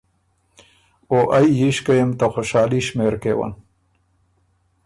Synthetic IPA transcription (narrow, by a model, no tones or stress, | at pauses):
oʔajːiʃkajemt̪axoʃɑːliʃmeɾkewa̰n